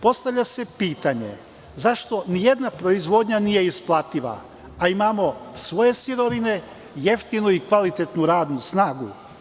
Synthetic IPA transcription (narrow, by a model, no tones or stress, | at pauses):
po̞st̪aʋʎʲase̞piːt̪aɲe̞̰ | zaʃt̪o̞nije̞d̪napɾo̞izʋo̞d̪ɲanije̞isplˠat̪iʋa̰ | aimamo̞sʋo̞je̞siɾo̞ʋine̞ | je̞ft̪inuikʋalit̪et̪nuɾaːd̪nusnaːɡu